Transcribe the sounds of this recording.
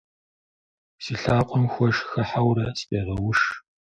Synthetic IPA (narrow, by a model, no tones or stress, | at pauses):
siɬaːqʷʼɔmxʷɔʃxɐħawɾɐspʼeːʁɐwʊʂ